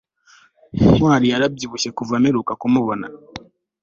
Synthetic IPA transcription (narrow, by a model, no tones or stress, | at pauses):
hwaːɾijaɾab̚ɟiβuʃe̞kuvameɾukakumuβona̰